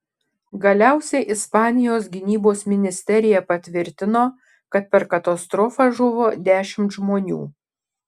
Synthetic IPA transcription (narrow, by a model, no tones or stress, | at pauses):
ɡɐlʲæˑʊsʲɛɪʔɪspɑːnʲɪjoːsɡʲɪnʲiːboːsmʲɪnʲɪsʲt̪ʲɛɾʲɪjɛpɐt̪ʲʋʲɪɾʲt̪ʲɪnoː | kɐt̪̚pʲɛɾkɐt̪ɐst̪ɾɔfɑʒʊʋoːd̪ʲæːʃʲɪmt̪ʒmoːnʲṵː